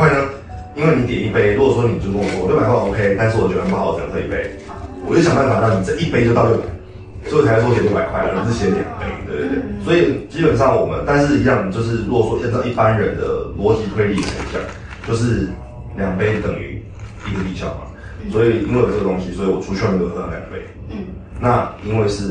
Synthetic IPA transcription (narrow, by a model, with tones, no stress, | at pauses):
we˥ɪnə˧ | i˥nwe˥˩ɪni˧˦t̪jɛ˨˩ni˥˩pe˦ɪɻu˥˨˩swɔ˥ni˨˩˨t͡ɕjko˥˩˨o˥˩a˨˦kwa˥˧˩o˥ʊkʰe˥˦ɪt̪a˥˧ns̬̩˥˩˨wɔ˨˩t͡ɕo˥˩˧pːʰə̰˨˩˨t̪ʰe˥˧˨i˥˩pe˦ɪ | wɔ˨˩t͡ɕo˥˩ɕɑ˨ŋpa˥˩n˩fa˨˩˦nɑ˥˩ni˨˩t͡sa˥˧ʔi˥˩pe˥ɪt͡ɕo˥˧ʊt̪ɑ˥˧two˥˩pa˨˩˦ɪ | o˥o˨t͡sʰa˧˥˧jjo˥˩a˨˩ɪkʰwa˥ɪ˧˩t͡s̩˥˩t͡ɕʰɛ˧˥˧t̪jɛ̰˨˩n˩pe˥˧˨t̪wḛ˥˧˩d̪̰t̪wḛ˥˩swɔ˧˥i˨˩t͡ɕi˥pə˨˩nʂɑ˥˩ŋwɔ˨˩mə̰˦nt̪a˥˧nʂ̬ɻ̩˥˩i˧˥jɑ˥˨ŋt͡ɕjo˥˧ʊʂ̬ɻ̩˥˩ɻu˥ɡɔ˨˩swɔ˥ə˥˧nt̪ɑ˥˧ʊi˥˩pa˦nɻə˧˦nd̪ə̰˨lwɔ˧˦t͡ɕi˨˥t̪ʰwe˥˧ɪli˥˩aa̰˨˩˨ɕjɑ̰˥˩ŋ | t͡ɕjo˥˧ʊʂ̬ɻ̩˥˩ | ljɑ˨˩ŋpe˥˧ɪt̪ə˨˩ŋy̰˧˦ | i˧˦ɡə˨˩t̪i˨˩ɕɑ̰˥˩ʊma̰˨˩ | swɔ˧˥i˨˩i˥ŋwe˥˩˨t͡sə˥˩ɡə˩t̪o˧ŋɕi˦swɔ˧˥i˨wɔ˨˩ʈ͡ʂʰu˦˥ɕɥn˥˧˥nʰa˧ljɑ˨˩ŋpe˥˧ɪ | na˥˨i˦nwe˥˧ɪʂɻ̩˥˩